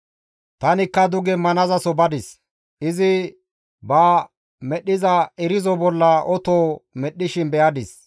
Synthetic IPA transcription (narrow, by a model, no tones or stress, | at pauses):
t̪ɐnɪkːɐd̪ʊɡɛmɐnɐzɐsɔbɐd̪ɪs | ʔɪzɪ | bɐː | mɛɗɪzɐɛɾɪzɔbɔlːɐʔɔt̪oːmɛɗːɪʃɪnbɛʔɐd̪ɪs